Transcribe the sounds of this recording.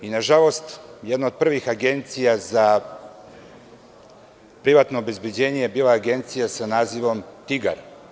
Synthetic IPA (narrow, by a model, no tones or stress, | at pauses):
inaʒalo̞st̪jed̪naod̪̚pr̩ʋixaɡe̞nt̪sijaza | pɾiʋaːt̪no̞obe̞zbjed͡ʑe̞ːɲejebiːlaːɡe̞nt̪sijasanaːziʋo̞mt̪iɡa̰ɾ